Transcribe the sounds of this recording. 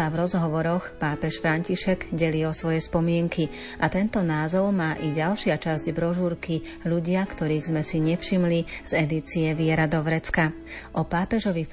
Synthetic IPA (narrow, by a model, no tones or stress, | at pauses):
avɾɔzɦɔʋɔɾɔxpaːpɛʃfɾaɲciʃɛɡɟɛliɔsʋɔjɛspɔmɪɛŋkʰi | ʔat̪ɛnt̪ɔnaːzɔʊmaːʔiɟalʃɪat͡ʃazɟbɾɔʒuːɾki | ʎuɟɪakt̪ɔɾiːɣzmɛsiɲɛfʃimliz̥ɛd̪it͡siɛʋɪɛɾad̪ɔʋɾɛt͡ska | ʔɔpaːpɛʒɔʋi